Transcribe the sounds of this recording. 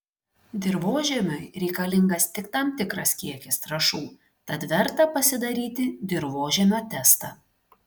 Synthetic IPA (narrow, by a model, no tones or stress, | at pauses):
d̪ʲɪɾʋoːʒʲɛmʲʊɪɾʲɛɪkɐlʲɪŋɡɐst̪ʲɪkt̪ɑːmt̪ʲɪkɾɐskʲiɛkʲɪst̪ɾɐʃuː | t̪ɐt̪ʋʲɛɾt̪ɐpɐsʲɪd̪ɐɾʲiːt̪ʲɪd̪ʲɪɾʋoːʒʲɛmʲoːt̪ʲɛst̪ɑ